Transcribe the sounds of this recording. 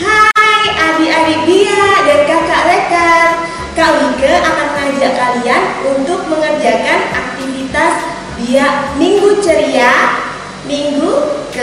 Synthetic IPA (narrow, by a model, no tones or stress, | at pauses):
hajʔabiabibiadaɾikakaʔlekat̪̚ | kaʔwikəʔamat̪̚ŋard͡ʒaʔkalianunt̪ʊk̚məŋərd͡ʒakanak̚t̪ifit̪as | biaʔniŋɡut͡ʃəɾia | niŋɡu